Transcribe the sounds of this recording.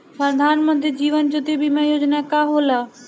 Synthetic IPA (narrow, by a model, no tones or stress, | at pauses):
pɾəd̪ʱaːnmə̃nt̪̬ɾid͡ʒiːʋənd͡ʒʊt̪ibʱimãjoːd͡ʒnakaɦoːlaː